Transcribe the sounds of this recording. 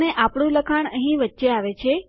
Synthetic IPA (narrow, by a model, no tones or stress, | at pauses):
neʔapɽ̃ũləkʰaɳəɦĩʋətːʃeaʋet͡ʃʰe